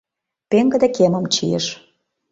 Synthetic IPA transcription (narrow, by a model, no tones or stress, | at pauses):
peŋɡə̆d̪ekemə̆mt͡ɕḭjḛʃ